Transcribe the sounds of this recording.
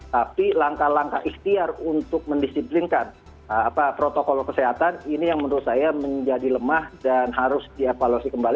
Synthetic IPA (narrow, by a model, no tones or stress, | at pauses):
t̪apilaŋkalaŋkaʔiht̪iarunt̪ʊk̚məndisiplinkan | əapapɾot̪okɔlkəseɦat̪aninijaŋmənd̪ɾut̪sajaməɲd͡ʒadiləmahdanɦaɾʊsdiefaluasikəmbali